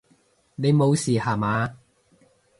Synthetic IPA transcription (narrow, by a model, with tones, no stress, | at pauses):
ne˨˧jmo˨˧wsiː˨˩haː˨˩maː˨˧˦